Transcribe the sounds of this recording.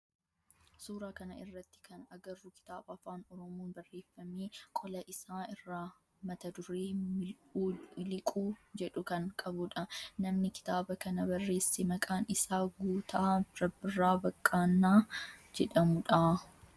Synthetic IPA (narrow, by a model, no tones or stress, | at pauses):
suːɾaːkɐnɐɪrːɐt̪ːɪ̥kɐnɐɡɐrːʊkɪ̥t̪aːbɐɐfaːnɔɾɔmoːnbɐrːe̞ːfːɐmeːkʼɔlɐʔɪsaːɪrːaː | mɐt̪ɐd̪ʊɾeːɪ | ɪlɪkʼuːd͡ʒɛᶑʊkɐŋkʼɐbʊᶑɐnɐmnɪkɪ̥t̪aːbɐkɐnɐbɐrːe̞ːsːemɐkʼaːnɪsaːɡuːt̪ʰaːɾɐbɪrːaːbɐkʼːaːnːaːd͡ʒɛᶑɐmʊᶑa